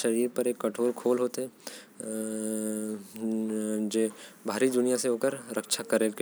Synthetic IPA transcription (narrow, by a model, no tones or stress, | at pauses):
ʃɐɾiːɾpɐɾeːkːɐʈʰoːɾkʰoːlɦoːt̪eɛ | d͡ʒeːbʱaːɾid̪ʊnijaseɦoːkəɾɾəkʃakɐɾeːlke